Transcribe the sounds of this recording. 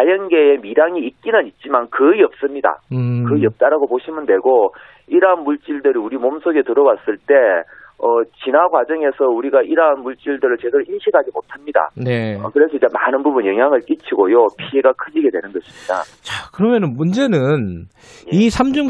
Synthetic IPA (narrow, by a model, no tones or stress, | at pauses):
ajʌnɡe̞emiɾaŋiːk͈inɯnit̚t͡ɕ͈imankɯiʌp̚s͈ɯmɲida̰kɯʌp̚t͈aɾaɡopoɕʰimɯndwe̞ɡo | iɾanmuɭt͡ɕ͈iɭdɯɾiuɾimomsʰoɡe̞tɯɾʌwas͈ɯɭt͈e̞ʌt͡ɕinaɡwad͡ʑʌŋe̞sʰʌuɾiɡaʔiɾanmuɭt͡ɕ͈iɭdɯɾɯɭt͡ɕe̞deɾoinɕʰiɡad͡ʑimotʰamɲida̰ne̞ʌ̰kɯɾe̞sʰʌid͡ʑe̞manɯnbubunjʌŋɦjaŋɯɭk͈it͡ɕʰiɡojopʰie̞ɡakʰɯd͡ʑiɡe̞dwe̞nɯnɡʌɕʰi̥mɲida̰t͡ɕakɯɾʌmjʌnɯnmund͡ʑe̞nɯn | isʰamd͡ʑuŋ